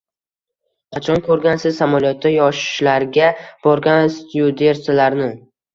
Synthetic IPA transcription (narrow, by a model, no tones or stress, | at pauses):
qʰɑt͡ʃʰɒnkʰɵɾɡʲansɪzsamaljɒt̪ʰːajɒʃɪ̥ʃlaɾɡʲab̥ɒɾɡʲanst̪jud̪eɾsɪlaɾnɪ